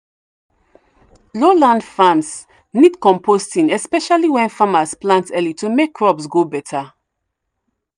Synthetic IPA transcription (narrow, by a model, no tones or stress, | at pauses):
lolãndfãns | nidkɔ̃mpʰostĩnɛspɛʃaliwɛ̃nfamasplãntɛlitumekʰːɹɔbsɡobɛtʰa